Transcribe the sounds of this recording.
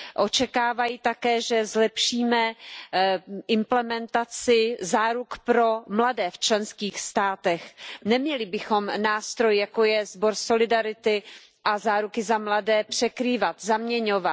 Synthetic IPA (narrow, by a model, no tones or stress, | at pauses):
ʔo̞t͡ʃɛkaːvajit̪akɛːʒɛzlɛpʃiːmɛ | ʔɪmplɛmɛnt̪at͡sɪzaːɾukpɾo̞mladɛːft͡ʃlɛnskiːxst̪aːt̪ɛxnɛmɲɛlɪbɪxo̞mnaːst̪ɾo̞jjako̞jɛzbo̞ɾso̞lɪdaɾɪt̪ɪ | ʔazaːɾukɪzamladɛːpr̝̥ɛkɾiːvat̪zamɲɛɲo̞vat̪